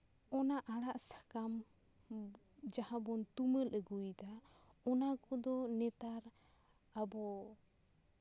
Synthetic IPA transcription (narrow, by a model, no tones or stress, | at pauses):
ɔnaʔaɽaʔsḁkam | d͡ʒahabɔnt̪umələɡujd̪aɔnakɔd̪ɔnɛt̪aɾabɔ